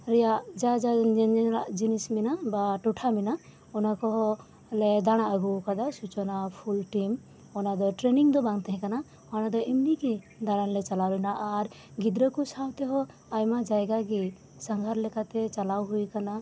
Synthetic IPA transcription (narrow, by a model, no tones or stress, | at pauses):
ɾɛjaʔd͡ʒad͡ʒaɾaʔd͡ʒinisminabaʈɔʈʰamina | ɔnakɔɦɔ | lɛd̪aɽ̃aʔəɡukad̪asut͡ʃɔnapʰulʈim | ɔnad̪ɔʈɾeniŋd̪ɔbaŋt̪ɛɦɛ̃kana | hɔñad̪ɔʔimniki | d̪aɽ̃anlɛt͡ʃalaɾɔjnaʔaɾ | ɡid̪ɾɔkusawt̪ɛɦɔ | ajmad͡ʒajɡaɡi | saŋɡʱaɾlɛkat̪ɛt͡ʃalawɦujkana